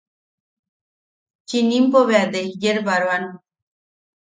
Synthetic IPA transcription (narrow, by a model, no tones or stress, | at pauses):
t͡ʃinĩmboβead̪eɦid͡ʒeɾbaɾʋanũ